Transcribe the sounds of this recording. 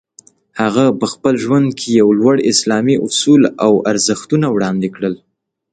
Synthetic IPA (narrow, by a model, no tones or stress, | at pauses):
haɣapəxpəlʒwand̪̚kʰejawlwaɽɪslɑmiʔʊsulawaɾzəxt̪unawɽɑnd̪ekɽəl